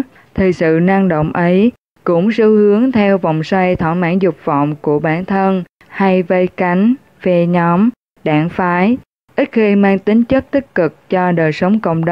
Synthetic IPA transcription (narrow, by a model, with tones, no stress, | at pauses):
t̪ʰi˨˩sɨ̰˧˨na˧ŋɗo̰˧˨wŋ͡mʔə˨˦j | kʊ̰˧˥ŋ͡msɨ˨˧˦hɨ˨˦əŋt̪ʰɛ˧wvɔ̰˧˨wŋ͡mswa˧jt̪ʰɔ̰˧˩ma̰ː˧˥nzʊ˨˩k͡p̚vɔ̰˧˨wŋ͡mku˧˩əɓaː˧˩nt̪ʰə˧n | ha˧jvə˧jka˨˦jŋ̟ | fɛ˧ɲɔ˨˦m | ɗaː˧˩ŋfaː˨˦j | ʔi˦˥t̚xi˧maː˧ŋt̪ï˨˦ŋ̟t͡ɕə˦˥k̚t̪i˦˥k̚kɨ˨˩k̚t͡ɕɔ˧ɗəː˨˩jsə˨˦wŋ͡mkə̰˧˨wŋ͡mɗ